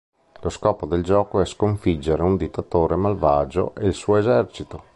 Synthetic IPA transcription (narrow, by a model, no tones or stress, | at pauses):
loskɔːpod̪eld͡ʒɔːkoɛskoɱfid͡ʒːeɾeund̪it̪ːat̪oːɾemalvaːd͡ʒo̰ʔeilsuːoezɛrt͡ʃit̪o